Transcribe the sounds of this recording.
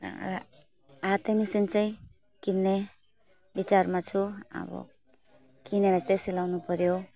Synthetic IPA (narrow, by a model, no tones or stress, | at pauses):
at̪ʌmisint͡saĩ | kinːe | bit͡sarmat͡sʰuʌ̰bʌ̰ | kineɾat͡saĩsilawnupʌɾjo